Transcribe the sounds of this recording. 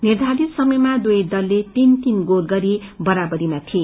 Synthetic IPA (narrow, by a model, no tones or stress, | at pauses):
nird̪ʱaɾit̪sʌmʌjmad̪ujd̪ʌlːet̪int̪inɡolɡʌɾibʌɾabʌɾimat̪ʰie